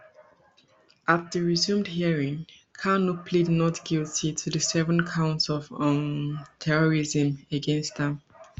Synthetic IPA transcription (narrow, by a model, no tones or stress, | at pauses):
at̚ðəɹizũmdhiəɹĩŋ | kʰanupʰlidnɔtɡ̥ilˠtʰitʰuðəsɛvə̃nkʰãʊ̃ntsɔvɔ̃ntʰɛɹɔɹizə̃məɡɛ̃nstðə̃m